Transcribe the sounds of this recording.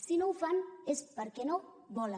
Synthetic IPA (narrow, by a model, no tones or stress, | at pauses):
sinowfanespəɾkeno | bɔla